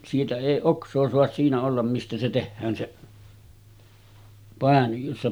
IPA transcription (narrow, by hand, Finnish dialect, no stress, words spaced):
siːtæ eˑi oksˑoː soɑs siːnæ olːɑm mistæ se tehːæːn seʔ pɑˑen josːɑ